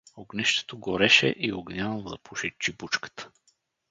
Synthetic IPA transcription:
oɡnɛʃt̪ɛ̥t̪oɡoɾɛʃɛ̰ʔioɡnʲand̪ɐpʰuʃɛt͡ʃibut͡ʃkə̥t̪ə̥

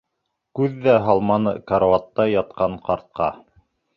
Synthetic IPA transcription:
kʉðːæɦɑlˠmɑnɤ̰kaɾovɑt̪ːɑjɑt̪̚qɑɴqɑɾt̪̚qɑ

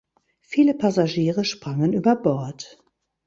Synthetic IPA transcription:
fiːləpʰazaʒiːʁəʃpʁ̥aŋənʔyːbɐbɔɐt

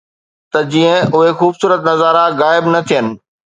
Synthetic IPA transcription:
t̪ɐd͡ʑiːə̃ʊɦexuːbsuːɾət̪nɐzaːɾaɣaːɪbnɐt̪ʰijənɪ̆

